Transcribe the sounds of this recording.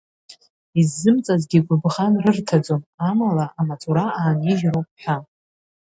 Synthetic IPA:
izːɨmt͡sʼazɡʲiɡʷʊbʁanrɨrtʰad͡zomamalaʔamat͡sʼuɾaaːniʒʲɾowpʼħʷᶣa

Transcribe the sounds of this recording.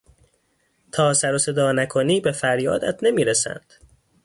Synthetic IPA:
t̪ʰɒːsæɾose̞d̪ɒːnækʰo̞niːbe̞fæɾjɒ̰ːd̪æt̪ʰne̞miːɾesæ̰nd̪̥

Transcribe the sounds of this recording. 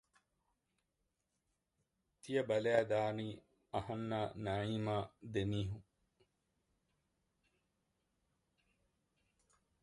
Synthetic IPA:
t̪ijɐbɐlæːd̪aːniː | ɐhɐnːaːnɐɻiːmaːd̪eniːɦuŋ

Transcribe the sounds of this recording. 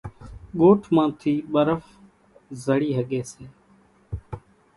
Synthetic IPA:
ɡoːʈʰmãːt̪ʰiːɓəɾəf | zəɽiːɦəɠeːseː

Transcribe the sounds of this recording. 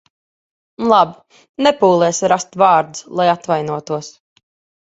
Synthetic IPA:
lˠab | nɛpuːlˠɛːsɾast̪vɑːɾd̪uslˠajat̪vajnuɔt̪uɔs

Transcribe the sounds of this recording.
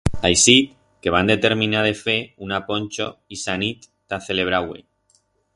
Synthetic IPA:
ajsit̪̚ | ke̞βand̪e̞t̪e̞ɾmĩnaðe̞fe̞unapo̞nʲt͡ʃoisanit̪ːaθe̞le̞β̞ɾawḛ

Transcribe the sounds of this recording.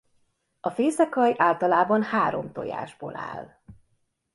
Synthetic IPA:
ɒfeːsɛkɒjʔaːlt̪ɒlaːbɒnhaːɾo̞mt̪o̞̰ja̰ːʒboːla̰ːl

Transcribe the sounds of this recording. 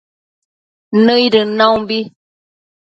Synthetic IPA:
nəjdənawbi

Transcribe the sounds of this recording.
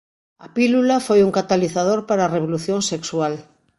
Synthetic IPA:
apilulafojuŋkat̪aliθað̞oɾpaɾaːreβ̞oluθjõŋsekswal

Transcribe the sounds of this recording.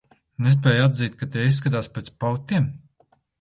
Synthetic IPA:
nes̬pʲɛːjad̪ziːt̪̚ʲkat̪eisːkat̪aːspʲeːt̪spawt̪ʲːim

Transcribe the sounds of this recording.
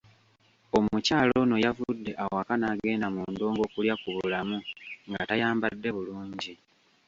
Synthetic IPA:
o̞mucaːlo̞no̞javudːe̞ʔawoakanaːɡe̞ːndamuːndo̞ːŋɡo̞ːkuljakuβuulamuŋɡatajaːmbadːe̞βuluːɲɟi

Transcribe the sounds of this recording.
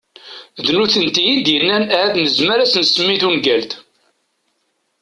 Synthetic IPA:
ðnuθənt̪ijid̪jənːænææðnəzməɾæsənsəmːiθunɡælt̪

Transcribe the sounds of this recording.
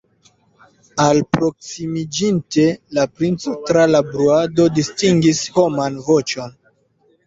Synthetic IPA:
alpɾo̞ksimid͡ʒinte̞lapɾint͡so̞tɾalabɾuado̞distiŋɡisho̞manvo̞t͡ʃo̞n

